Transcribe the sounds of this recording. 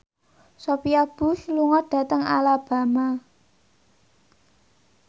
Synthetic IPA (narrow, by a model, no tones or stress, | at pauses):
sopiab̥ṳsluŋɔd̪̥a̤t̪əŋalab̥ä̤ma